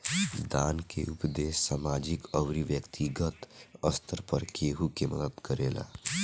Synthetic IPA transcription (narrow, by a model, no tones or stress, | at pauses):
d̪aːnkḛʔʊpd̪eːsːamaːd͡ʒɪkəwɾiʋjəkt̪iɡət̪əst̪ʰəɾpəɾkeːɦukemɐ̰d̪əd̪kəɾḛːla̰ː